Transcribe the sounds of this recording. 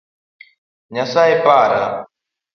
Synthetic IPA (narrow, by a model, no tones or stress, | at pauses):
ɲasaɛpaːɾa̰